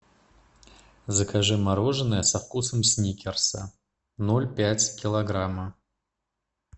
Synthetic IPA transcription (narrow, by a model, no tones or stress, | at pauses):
zəkaʐɨmaɾoʐɨnəjəsɐfkusəmsʲnʲikʲɪrsə̰ | nolʲpʲætʲkʲɪlˠɐɡɾamə